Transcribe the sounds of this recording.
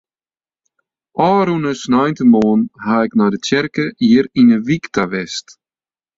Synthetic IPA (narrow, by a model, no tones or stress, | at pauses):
ʔɔːɾunəsnɔjntəmɔːnhaɛknadət͡ʃɛɾkəʔiːəɾinəviktʰavɛst